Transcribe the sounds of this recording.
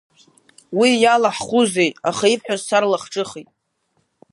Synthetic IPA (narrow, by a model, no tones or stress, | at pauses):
wijalaħχʷuzejtʼaχaipʰħʷᶣazsarlaχʈ͡ʂʼɨχijtʼ